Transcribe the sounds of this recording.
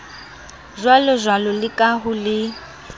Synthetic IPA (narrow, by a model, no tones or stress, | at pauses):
ʒwalɔzwalɔlɪkʼaɦʊlɪ